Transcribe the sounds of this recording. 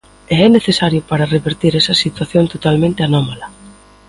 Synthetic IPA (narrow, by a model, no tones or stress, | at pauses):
eɛneθesaɾjʊpaɾɐreβeɾt̪iɾɛsɐsit̪waθjont̪ot̪almẽnt̪ɪanɔmalɐ